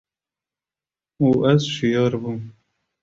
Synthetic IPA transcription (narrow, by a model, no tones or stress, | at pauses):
uːʔɛzʃijɑːɾbum